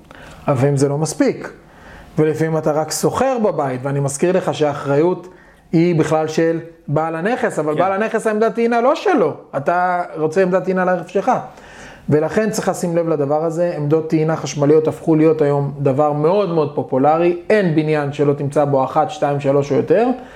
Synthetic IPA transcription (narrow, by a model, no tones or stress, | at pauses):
avimzelo̞maspik | velifamimat̪aʁakso̞χe̞ʁbabait̪veanimaskiʁle̞χaʃeaːχʁajut̪ | hibiχlalʃelbaːlane̞χesavalbaːlane̞χesaemd̪at̪iːnalo̞ʃe̞lo̞at̪aʁo̞t͡seeːmd̪at̪iinaleeʁefʃelχa | ve̞laχe̞nt͡sʁiχasimle̞vlad̪avaʁaze̞ːmd̪o̞t̪ːiinaχaʃmalijot̪afχulijo̞tajo̞md̪avaʁmeo̞d̪meo̞d̪̚po̞pulaʁie̞nbinjanʃe̞lo̞t̪imt͡sabo̞aχat̪ʃtaimʃalo̞ʃojot̪e̞ʁ